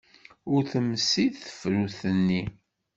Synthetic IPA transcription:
ʊɾθəmːsiðθə̥fɾuθənːi

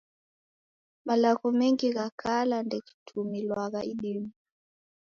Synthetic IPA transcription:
malaɣɔmɛŋɡiɣakʰalandɛki̥tʰumilwaɣaʔiɗimu

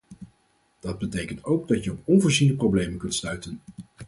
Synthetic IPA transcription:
d̥ɑd̚bətejkəntowɡdɑtjəɔpɔnvʊːɹzindəprowblejmənkɵntstœɥtən

